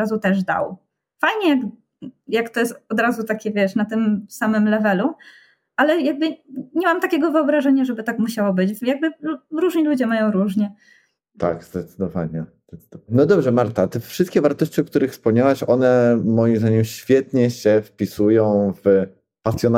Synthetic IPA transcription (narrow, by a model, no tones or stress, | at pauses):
azut̪ɛʐd̪a̰w | fajɲɛjaɡ | jakt̪ɔjɛst̪ɔd̪ɾazut̪akʲɛvʲjɛʂnat̪ɘmsamɘmlɛvɛlu | ʔalɛjaɡ̚bɘɲɛmamt̪akʲɛɡɔvɨɔbɾaʐɛɲaʐɛbɘt̪akmuɕawɔbɘt͡ɕvjaɡ̚bɘɾuʐɲilud͡ʑɛmajɔ̃w̃ɾuʐɲɛ | t̪a̰ɡzd̪ɛt̪sɨd̪ɔvaɲɛzd̪ɛt̪sd̪nɔd̪ɔbʐɛmaɾt̪at̪ɛfʂɘst̪kʲɛvaɾt̪ɔɕt͡ɕiɔk̚t̪uɾɘxfspɔmɲawɛɕɔnɛmɔjimzd̪aɲɛmɕfʲjɛt̪ɲɛɕɛfpʲisujɔ̃w̃v | pasʲjɔn